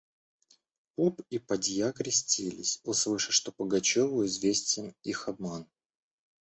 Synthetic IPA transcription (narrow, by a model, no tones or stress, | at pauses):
opipɐdʲjakɾʲɪsʲtʲilʲɪ̰sʲoslˠɨʂə̥ʂt̪opəɡɐt͡ɕovʊɪzvʲesʲtʲɪnixɐb̚man